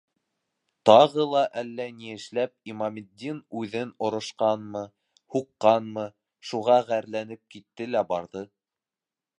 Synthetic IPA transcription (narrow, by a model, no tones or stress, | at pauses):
t̪ɑʁɤlˠɑʔælːænijɘ̆ʃlæp̚imɑmʲɪd̪ʲːinʉðɘnŏɾŏʃqɑnmɤ | huqːɑnmɤ | ʃuʁɑʁæɾlænɘp̚kit̪ːɘlæbɑɾðɤ